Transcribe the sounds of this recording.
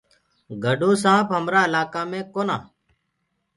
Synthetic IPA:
ɡʱəɖũːsãːpɦəmɾaːɪlaːkaːmẽːkoːnaː

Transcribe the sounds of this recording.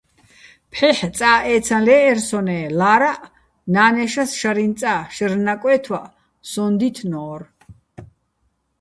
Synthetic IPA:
pʰħɛħt͡s̪ʼaːʔɛːt͡s̪ʰalɛːɾsɔnɛːlaːɾaʔ | naːnɛʃasʃaɾint͡s̪ʼaʃəɾnakʼwɛːt̪ʰwaʔ | sɔnd̪it̪ʰnɔːɾ

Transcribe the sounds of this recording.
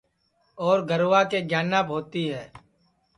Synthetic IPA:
ɔːɾɡəɾwʋakeɡjaːnaːpɦoːt̪iɦɛː

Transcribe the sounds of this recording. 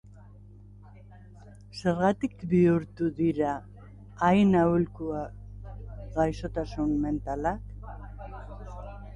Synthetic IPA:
se̞ɾɣat̪ikbiuɾt̪uðiɾaː | jnaulkua | ɣajso̞t̪asunme̞nt̪alak

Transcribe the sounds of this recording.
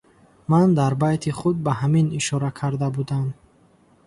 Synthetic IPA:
mand̪aɾbajt̪ʰiχud̪̚baɦaminiʃɔɾakʰaɾd̪abud̪am

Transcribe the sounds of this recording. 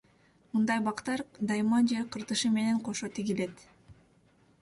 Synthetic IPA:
mɯnd̪ɑjbɑqt̪ɑɾd̪ɑjmɑnd͡ʒeqʰɯɾt̪ɯʃɯme̞ne̞ɴqʰo̞ʃot̪iɡile̞t̪

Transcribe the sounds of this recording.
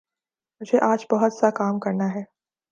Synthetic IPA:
mʊd͡ʒʱeʔaːd͡ʒbɔɦʊt̪sakaːmkɐɾnaɦɛː

